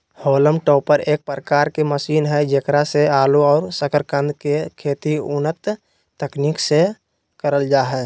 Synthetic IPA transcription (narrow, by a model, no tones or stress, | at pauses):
hoːləmʈɔːpəɾeːk̚pɾəkaːɾkeməsiːnɦɛd͡ʒekɾaseaːluɔːɾsəkəɾkə̃nd̪kekʰeːt̪iʊnət̪ː | əkniːkse | kəɾəld͡ʒaːɦɛː